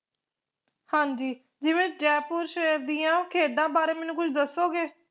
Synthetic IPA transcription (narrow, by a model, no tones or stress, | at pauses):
hãːɲd͡ʒiː | d͡ʒɪʋẽːd͡ʒɛːpʊɾʃeːɾd̪iːãːkʰeːɖ̪ãːbaːɾeːmɛːnũːkʊt͡ʃʰd̪əsːoːɡeː